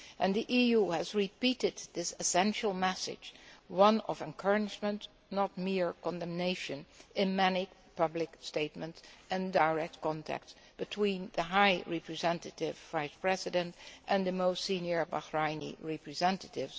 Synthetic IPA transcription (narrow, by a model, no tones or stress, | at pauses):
ʔɨ̃nðiʔijuɨzɹipiɾɪd̚ðɪsɨsɛ̃nʃl̩ˠmɛsɪ̰̥d͡ʒwʌ̃nʌ̰vɨ̃nkʰɜ˞ɨd͡ʒmə̃nt | nət̚mɪɹkɔ̃ndɛ̃mneɪʃɨ̃nɪ̃nmɛnipʌblɪksteɪt̚mə̃ntsɨ̃ndaɪɹɛk̚tkɑ̃ntʰæ̰k̚ts | b̥ɨtʰwĩnðɨɦaɪɹɛpɹɨzɛ̃ntɨtɪvvaɪspɹɛzɨdɨ̃ntʔɨ̃nðɨmoʊstsĩnjə˞ba̰hɹaɪnḭɹɛpɹɨzɛ̃ntətɪvz̥